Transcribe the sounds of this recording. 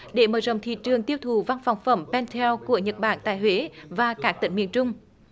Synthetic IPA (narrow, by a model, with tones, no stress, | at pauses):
ɗe˧˩məː˧˩zə̰˧˨wŋ͡mt̪ʰḭ˧˨t͡ɕɨ˨˩əŋt̪i˧əwt̪ʰu˨˩va˧nfa˨˩wŋ͡mfə˧˩mpɛ˧nt̪ʰɛ˧wku˧˩əɲə˨˩t̚ɓa̰ː˧˩nt̪a̰ː˧˨jɦwe˨˦vaː˨˩kaː˦˥k̪̚ï˧˩ŋ̟mḭ˧˨ənt͡ɕʊ˧ŋ͡m